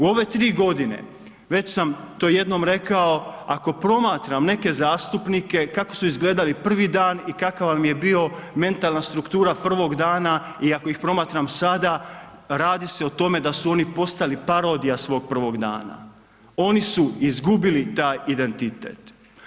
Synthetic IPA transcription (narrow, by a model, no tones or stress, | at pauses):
uo̞ʋe̞t̪ɾiːɡo̞d̪ine̞̰ | ʋe̞t͡ɕsamt̪oje̞d̪no̞mɾe̞kao̞ako̞pɾo̞maːt̪ɾamne̞ke̞zaːst̪upnike̞kako̞̥suizɡle̞ːd̪alipr̩ʋid̪aːnikakaʋʋamje̞bio̞me̞nt̪alˠnast̪ɾukt̪uːɾapr̩ʋo̞ɡd̪aːna | iako̞ixpɾo̞maːt̪ɾamsad̪aɾaːd̪ise̞ot̪o̞me̞d̪asuo̞nipo̞st̪alipaɾo̞ːd̪ijasʋo̞ːɡ̚pr̩ʋo̞ɡd̪a̰ːna̰ | o̞nisuizɡubilit̪aːjid̪e̞nt̪it̪ḛːt̪